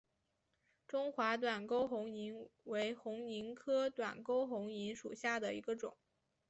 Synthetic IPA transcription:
ʈ͡ʂʊ˥ŋxwa˧˥t̪̬wa˨˩nko˥ʊxʊ˧˥ŋi˧˥nwe˧˥ɪxʊ˧˥ŋi˧˥nkʰɤ˥t̪wa̰˨˩nko˥ʊxʊ˧˥ŋi˧˥nʂṵ˨˩ɕja˥˩d̪ə˩ḭ˧˥ɡə˧ʈ͡ʂʊ˨˩˦ŋ

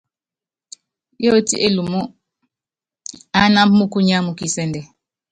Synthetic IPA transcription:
jɔ˦tḭ˦ʔe˦lu˨mu˦ | a˦na˦mu˦ku˦ɲa˦mu˨ki˦˨sɛ˦ndɛ˨

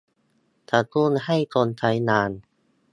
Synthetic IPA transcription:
t̪ʰa˨˩ku˥˩˨nha˥˩jt̪o˧nt̪ʰa˧˦˥jnaː˧n

